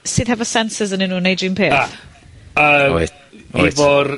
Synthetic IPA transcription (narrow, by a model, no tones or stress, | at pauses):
sɨːðɦɛvɔsɛnsɪzəninuːnejdimpʰeːaθ | ə̰ | bɔɾ